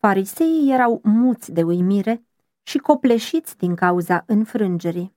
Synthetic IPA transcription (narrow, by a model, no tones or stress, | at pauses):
faɾise̞ije̞ɾawmult̪sʲd̪e̞ujmiɾe̞ | ʃiko̞ple̞ʃit̪sʲd̪iŋkauzaʔɨnfɾɨnd͡ʒe̞ɾi